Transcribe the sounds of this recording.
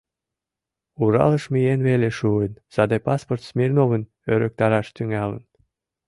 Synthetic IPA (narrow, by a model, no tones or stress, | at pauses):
uɾɑ̰lə̆ʃmʲijenβeleʃuənz̥ɑd̪epɑsport̪smʲirnoβən | øɾək̚t̪ɑɾɑʃt̪yŋælə̰n